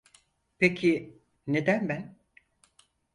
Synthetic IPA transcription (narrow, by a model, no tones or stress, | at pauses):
pʰecʰi | ne̞d̪ænbæn